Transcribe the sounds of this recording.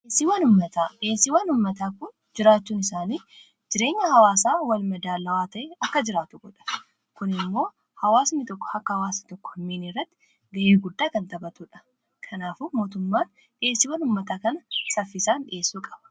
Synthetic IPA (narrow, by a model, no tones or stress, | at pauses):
ʔesːiwɐnʊmːɐt̪aːᶑe̞ːsːiwɐnʊmːɐt̪aːkʊn | d͡ʒɪɾaːt͡ʃːuːnɪsaːniː | d͡ʒɪɾe̞ːɲːɐhɐwaːsaːwɐlmɐd̪aːlɐwaːt̪ɐʔeːɐkːɐd͡ʒɪɾaːt̪ʊɡɔᶑɐ̥ | kʊnɪmːo̞ː | hɐwaːsnit̪ɔkːɔ̥hɐkːɐhɐwaːst̪ɔkːɔ̥hɐmːeːnirːɐt̪ːɪ | ɡɐʔeːɡʊd̪ːaːkɐnt̪ɐbɐt̪uːᶑɐ̥ | kʰɐnaːfuːmo̞ːt̪ʊmːaːn | ᶑeːsːɪːwɐnʊmːɐt̪aːkɐnɐsɐfːɪsaːnᶑɪ̰ʔe̞ːsːuːkʼɐ̥b̥ɐ̥